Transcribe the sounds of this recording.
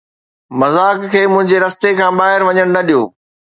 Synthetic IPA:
mɐzaːkkʰːeːmʊ̃ɦɪ̃ɲd͡ʑeɾɐst̪ekʰãːɓaːɦɪɾʋɐɲəɽ̃nɐɗijo̰ː

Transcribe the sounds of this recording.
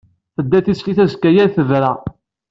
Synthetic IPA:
θəd̪ːæθisliθæzkːæjænθəðɾæ

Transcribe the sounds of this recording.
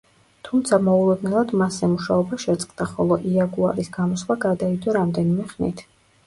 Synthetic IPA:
t̪ʰumt̪sʰamɔulˠɛd̪nɛlˠad̪masɛmuʃaɔbaʃɛt̪sʼqʼd̪aχɔlˠɔʔiaɡuaɾisɡamɔsχwaɡad̪aid̪ɔɾamd̪ɛnimɛχnḭt̪ʰ

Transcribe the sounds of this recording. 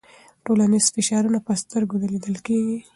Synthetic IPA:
ʈolanizfɪʃɑɾunapəst̪əɾɡod̪aled̪əlkeɡi

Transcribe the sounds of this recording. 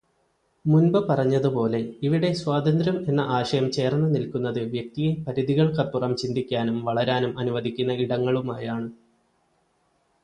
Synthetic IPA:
munbɨpɐrɐɲːɐðupo̞ːle̞iʋiɽe̞swaːd̪ɐnd̪ɾɐme̞nːɐʔaːʂɐjɐmt͡ɕe̞ːrnːɨnilkunːɐðɨʋjɐk̚t̪ijimpɐɾiðiɣɐɭkɐpːurɐmt͡ɕind̪ikʲːaːnumʋɐɭɐɾaːnumʔɐnuʋɐd̪ʱikʲːunːɐiɽɐŋːɐɭumaːjaːɳɨ

